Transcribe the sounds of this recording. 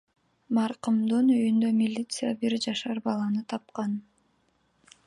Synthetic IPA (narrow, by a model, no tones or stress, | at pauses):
mɑɾqumd̪ɯnyjynd̪ømʲilʲit̪sɨjabiɾd͡ʒɑʃɑɾbɑlˠɑnɯt̪ʰɑp̚qɑn